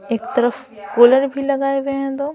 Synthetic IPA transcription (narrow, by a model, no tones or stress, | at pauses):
eːkt̪ɐɾəf | koːləɾbʱilɐɡaːebẽɛ̃d̪oː